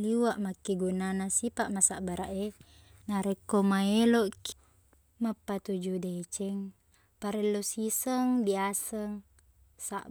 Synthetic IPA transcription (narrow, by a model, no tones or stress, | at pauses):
liwaʔmakːiɡunanasipaʔmasaʔbaɾaʔe | naɾekːomaeloʔk | mapːat̪ud͡ʒudet͡ʃɛŋ | paɾelːosisəŋbiasəŋ | saʔ